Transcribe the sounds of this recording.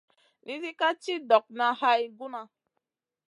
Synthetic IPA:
nʔi˦zi˦ka˦t͡ʃi˦dɔ˨k̚na˧ha˦i˦ɡu˦na˧

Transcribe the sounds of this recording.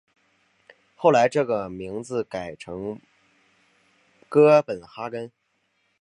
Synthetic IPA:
xo˥˩ʊla˧˥ɪʈ͡ʂɤ˥˩ɡə˩mi˧˥ŋd͡zɹ̩˧ka˨˩ɪʈ͡ʂʰɤ˧˥ŋ | kɤ˥pə˨˩nxa˥kə˥n

